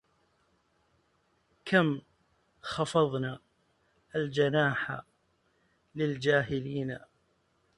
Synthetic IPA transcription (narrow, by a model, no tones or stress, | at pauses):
kʰam | xɑfɑðˤnaː | ald͡ʒanaːħa̰ | lɪld͡ʒaːɦɪliːna